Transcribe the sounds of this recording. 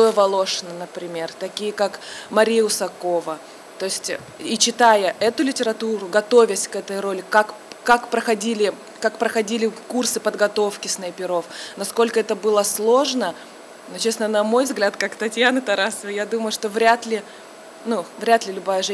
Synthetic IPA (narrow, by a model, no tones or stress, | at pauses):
t̪ojəvɐlˠo̞ʂɨnənəpɾʲɪmʲe̞rt̪ɐkʲijəkakmɐɾʲijəʊsɐko̞və | t̪o̞ɪsʲtʲ | it͡ɕɪt̪ajəʔɛt̪ʊlʲɪtʲɪɾɐt̪uɾʊɡɐt̪o̞vʲɪsʲkɛt̪əjɾo̞lʲɪkak | kakpɾəxɐdʲilʲɪ | kakpɾəxɐdʲilʲɪkursɨpəd̪ɡɐt̪o̞fkʲɪsnɐjpʲɪɾo̞fnɐsko̞lʲkəɛt̪əbɨlˠəslˠo̞ʐnə | not͡ɕesnənɐmo̞jvzɡlʲat̪kakt̪ɐtʲjanət̪ɐɾasəvəjad̪uməjʊʂt̪o̞vɾʲat̪lʲɪ | nuvɾʲat̪lʲɪlʲʊbajəʐɛ